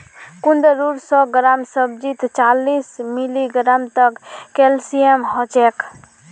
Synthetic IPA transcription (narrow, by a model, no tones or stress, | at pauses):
kund̪əɾuɾsɔɡɾamsəb̚d͡ʒit̪t͡ʃalismiliɡɾamt̪əkːelsijemɦɔt͡ʃek